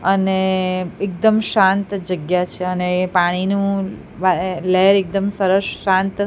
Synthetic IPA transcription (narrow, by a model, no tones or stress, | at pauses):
əneek̚d̪əmʃãnt̪d͡ʒəɡjat͡ʃʰeənepaɽ̃inũ | ʋalɛɾek̚d̪əmsəɾəsːãnt̪